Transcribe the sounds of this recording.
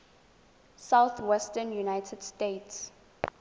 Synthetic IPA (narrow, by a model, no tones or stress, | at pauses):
sawθwɛstənjunajtʰɛd̥stets